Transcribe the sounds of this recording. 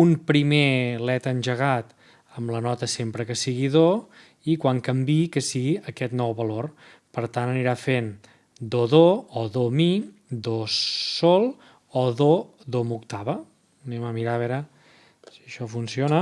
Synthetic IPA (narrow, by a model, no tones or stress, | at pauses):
umpɾimelɛt̪ənʲʒəɣat̪ | əmlənɔt̪əsempɾəkəsiɣiðo | ikwaŋkəmbikəsiɣiəkɛt̪nɔwβəlor | pəɾt̪anəniɾafen | d̪oðoɔðomi | d̪osolˠ | ɔðo | ðomukt̪aβə | nɛməmiɾaβɛɾə | siəʃɔfunsionə